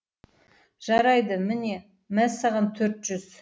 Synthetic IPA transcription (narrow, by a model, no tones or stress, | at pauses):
ʒ̥ɑɾɑjd̪əmɪne̞ | mæsɑʁɑnt̪ʰɵɾt̪ʒ̥ʏz̥